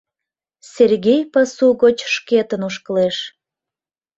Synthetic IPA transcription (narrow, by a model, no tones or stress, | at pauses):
sʲerɣʲejpəsuɣot͡ɕʃket̪ənoʃkəleʃ